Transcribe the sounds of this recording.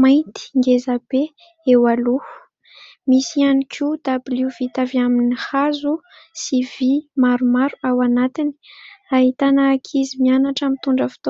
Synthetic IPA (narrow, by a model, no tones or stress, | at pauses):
majnt̪i̥ŋɡezabe | ewaluu̥ | misianikʰud̪̥abiliuv̥it̪aviaminihazu | sivimaɾumaɾuawanat̪ini̥aɦit̪anakʰizimianaʈ͡ʂamit̪uɳɖ͡ʐəfi̥t̪o